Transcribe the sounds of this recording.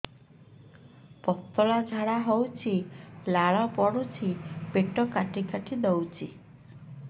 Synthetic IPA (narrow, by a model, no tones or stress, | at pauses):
pɔt̪ɔlad͡ʒʱaɽaɦɔwt͡ʃʰilaɭɔpɔɽut͡ʃʰipeʈɔkaʈikaʈʰid̪ɔwt͡ʃʰi